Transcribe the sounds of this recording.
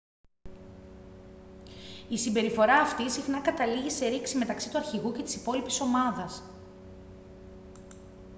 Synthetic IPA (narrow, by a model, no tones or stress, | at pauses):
isimbe̞ɾifo̞ɾɐːft̪isixnɐkɐt̪ɐliʝise̞ɾiksime̞t̪ɐksit̪uɐɾçiɣuce̞t̪i̥sipo̞lipiso̞mɐðɐs